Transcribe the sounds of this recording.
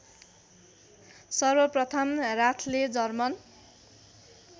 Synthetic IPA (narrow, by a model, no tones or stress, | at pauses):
sʌrbʌprʌt̪ʰʌmrat̪ʰled͡zʌrmʌn